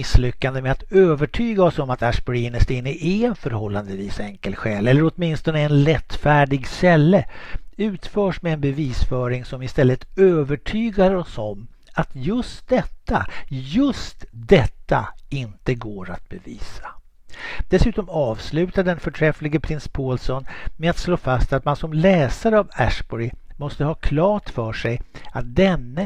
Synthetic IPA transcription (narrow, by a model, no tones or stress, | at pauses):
ɪslʏkːand̪əmɛat̪øːvəʈʰyːɡaɔsɔmat̪aʂbɔɾinəʂt̪ɪnːəʔɛɛnfœɾhɔlːand̪əviːsɛŋkəlɧɛːlɛlːəɾɔt̪mɪnst̪ɔnəɛnɾɛt̪ːfæːɖɪɡst̪ɛlːəʉ̟ːt̪fœːʂmɛɛnbɛviːsfœːɾɪŋsɔmɪst̪ɛlːət̪øːvəʈʰyːɡaɾɔsɔmː | at̪jɵst̪̚d̪ɛt̪ʰːa̰jɵst̪d̪ɛt̪ːa̰ɪnt̪əɡoːɾa̰t̪̚bɛvḭːsḁ | d̪̥ɛsʉ̟ːt̪ɔmɑːvslʉ̟ːt̪aɖ̪ɛnfœʈʰɾɛflɪɡəpʰɾɪnspʰoːlsɔnmeat̪sloːfast̪at̪mansɔmlɛːsaɾəavæ̰ʂbɔɾɪ | mɔst̪əhɑːkʰlɑːʈfœʂɛjat̪̚d̪ɛnːə